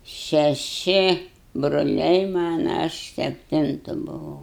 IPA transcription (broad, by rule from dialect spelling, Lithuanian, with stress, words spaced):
ʃʲɛˈʃʲɪ broːˈlʲɛɪ ˈmɑːnɐ ˈɐʃ sʲɛpʲˈtʲɪntʊ bʊˈʋɐʊ